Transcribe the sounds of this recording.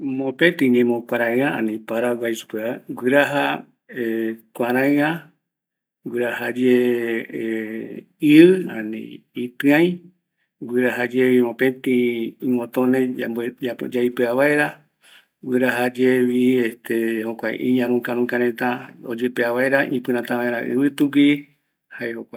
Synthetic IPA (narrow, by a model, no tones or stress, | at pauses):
mõpẽt̪ĩɲẽmõkʷaɾãɨ̃ãa̰nĩpaɾaɡajsu̥peaɡʷɨɾaɦa | ekʷaɾãɨã | ɡʷɨɾahad͡ʒe | iɨã̰nḭ̃ | it̪ɨ̃ãj̃ | ɡʷɨɾaɦad͡ʒeβĩmõpẽt̪ĩĩmõt̪õnẽad͡ʒaipeaβaeɾa | ɡɨɾaɦad͡ʒeβiest̪ehokʷaj̰ʔĩɲãɾũkãɾ̃ũkãɾ̃ẽt̪ãod͡ʒepeaβaeɾaʔĩpɨ̃ɾ̃ãt̪ãaeɾãʔɨ̰βɨt̪uki | haehokʷa